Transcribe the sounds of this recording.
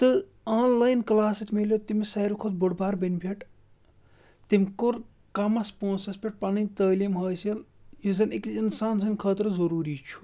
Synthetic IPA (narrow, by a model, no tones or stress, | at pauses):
t̪ɨ | aːnlaːjnklaːsit̪meljot̪imisɐːɾukʰot̪̚buɽbaːɾbɐnʲbʱiʈ | t̪imʲkuɾ | kɐmɐspoːnsɐspʰʲeʈ̚pɐnit̪əːlimɦɐːsɐl | jizɐnikinsaːnsɐnʲkʰəːt̪ɾzɐɾuːɾiːt͡ʃʰu̥